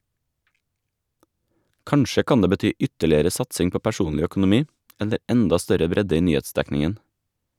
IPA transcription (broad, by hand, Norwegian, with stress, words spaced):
ˈkɑɳʃə ˈkɑn ˈdeː bəˈtyː ˈʔʏtəɭɪəɾə ˈsɑtsɪŋ ˈpoː pæˈʃuːnlɪ œkʊnʊˈmiː ˈɛlə ˈʔɛndɑ ˈstœɾə ˈbɾɛdə ˈiː ˈnyːˌeːtˌsdæknɪən